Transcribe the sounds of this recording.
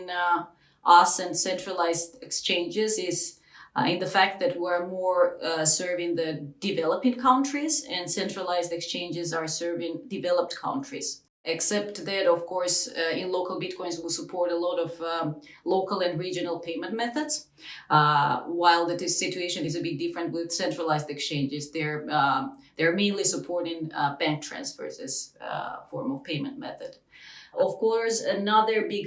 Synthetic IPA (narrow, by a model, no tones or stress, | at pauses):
n | ʔɔsɨ̃nsɛ̃ntɹ̥əlaɪzdɨkst͡ʃẽɪ̃nd͡ʒɪzɪz | ɪ̃nðɨfæk̚t̪̚ðɨt̚wiə˞mɔɹsɜ˞vɪ̃ŋðɨd̥ɨvɛlˠəpɪ̃ŋkʰãʊ̃ntʰɹ̥izɨ̃nsɛ̃ntɹ̥əlaɪzdɨkst͡ʃẽɪ̃nd͡ʒɨzə˞sɜ˞vɪ̃ŋdɨvɛlˠəp̚tkʰãʊ̃ntʰɹ̥ḭz̥ | ʔɨksɛp̚tðɨɾʌv̥kʰɔɹsɪ̃nloʊkəlˠbɪt̚kʰɔ̃ɪ̃nzwilˠsəpʰɔɹɾəlɔɾʌvloʊkəlˠɨ̃nɹid͡ʒɨnəl̩ˠpʰẽɪ̃mə̃ntmɛθədz̥ | waɪlˠðɨɪsɪt͡ʃueɪʃɨ̃nɪzɨbɪɡ̚dɪfɹɨ̃nt̚wɪð̥sɛ̃ntɹ̥əlaɪzdɨkst͡ʃẽɪ̃nd͡ʒɨzðə˞ | ðə˞mẽɪ̃nlisɨpʰɔɹɾɪ̃ŋbæ̃ŋk̚tʰɹ̥æ̰̃nsfə̰˞zɪ̰z̥fɔɹmɔv̥pʰẽɪmɨ̃ntmɛ̰θɨd̥ | ɔv̥kʰɔɹsənʌðə˞bɪɡ